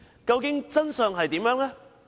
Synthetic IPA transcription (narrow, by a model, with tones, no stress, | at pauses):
kɐ˧wkɪ˨˥ŋt͡sɐ˥nsœː˨ŋɦɐ˨jt̪iː˨˥mjœː˨˥ŋlɛ˥